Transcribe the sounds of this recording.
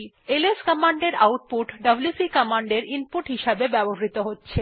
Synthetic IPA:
eleskamaɳɖeɾawʈ̚puʈɖɐbljusikamaɳɖeɾinpuʈɦiʃabebɛboɦɾit̪oɦotːɕʰe

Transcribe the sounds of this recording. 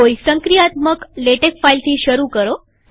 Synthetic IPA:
oisəŋkɾijat̪məkleʈekfailt̪ʰiːɕəɾukəɾo

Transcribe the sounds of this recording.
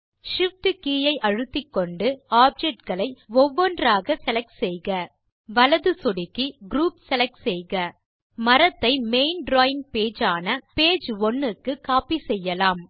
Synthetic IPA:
ʂɪfʈɯkiːjɐɪʔɐɻɯt̪ːɪkːɔɳɖɯaːb̚d͡ʒɛʈ̚ɡɐɭɐɪɔʋːɔndraːɣɐsɛlɐk̚ʈsɛjɣɐ | ʋɐlɐðɯsɔɽɪkːiɡɾuːpsɛlɐk̚ʈsɛjɣɐ | mɐɾɐt̪ːɐɪmeɪnɖɾoːɪŋ̚peːd͡ʒaːnɐpeːd͡ʒɔnːɯkːɯkːaːpisɛjːɐlaːm

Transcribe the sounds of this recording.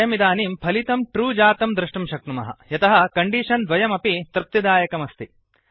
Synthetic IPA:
jɐmid̪aːniːmpʰɐlit̪ɐmʈɾuːd͡ʒaːt̪ɐmd̪ɾɨʂʈɐmʃɐk̚numɐ̰ɦɐ̰jɐt̪ɐɦɐkɐɳɖiːʂɐnd̪ʋɐjɐmɐpit̪ɾɨp̚t̪id̪aːjɐkɐmɐst̪i

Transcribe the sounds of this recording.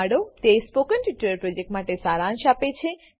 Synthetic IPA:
ɽot̪espokənʈiʈəɾpɾod͡ʒek̚ʈmaʈesaɾãnʃapet͡ʃʰe

